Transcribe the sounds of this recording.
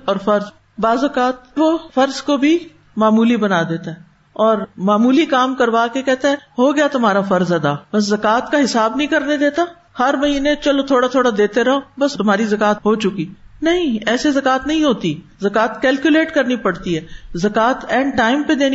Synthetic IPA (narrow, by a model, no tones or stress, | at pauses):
ɔːɾfɐɾz | baːzɐkaːt̪̚ʋofɐɾzkobʱi | maːmuːlibɐnad̪eːt̪aɦɛː | ɔːɾmaːmuːlikaːmkɐɾʋaːkekɛːt̪eɦɛ̃ːɦoɡɪjat̪ʊmɦaːɾafɐɾzɐd̪aːbɐs̬zɐkaːt̪kaɦɪsaːbnɐɦĩkɐɾned̪eːt̪a | hɐɾmɐɦiːnet͡ʃɐlot̪ʰoːɽat̪ʰoːɽad̪eːt̪eɾɐɦõbɐst̪ʊmɦaːɾizɐkaːt̪ɦoːt͡ʃʊkiːnɐɦĩɛːsezɐkaːt̪nɐɦĩɦoːt̪i | zɐkaːt̪kɛːlkjʊleːʈkɐɾnipɐɽt̪iɦɛːzɐkaːt̪ɛ̃ːɳɖʈaːɪmped̪eːni